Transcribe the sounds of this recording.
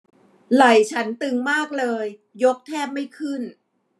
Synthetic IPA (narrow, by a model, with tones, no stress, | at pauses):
la˨˩jt͡ɕʰa˦˥nt̪ɯ˧ŋmaː˥˩k̚lɤː˧jː | o˦˥k̚t̪ʰɛː˥˩p̚ma˥˩jkʰɯ˥˩n